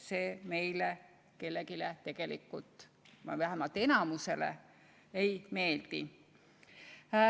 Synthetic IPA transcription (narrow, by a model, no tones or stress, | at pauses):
se̞ːme̞jle | ke̞lːeɡilet̪e̞ɡ̥e̞lḭkːˑult̪ˑ | ɑvæɦæmɑlt̪ːˑe̞nɑmuse̞lḛ | ejme̞ːld̪̥ḭ